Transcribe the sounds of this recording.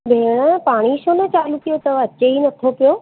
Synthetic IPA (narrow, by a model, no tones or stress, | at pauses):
bʱeːɽ̃əpaːɽ̃iʃonet͡ɕaːluk̪ijot̪ɐʋɐt͡ɕeinɐt̪ʰopijo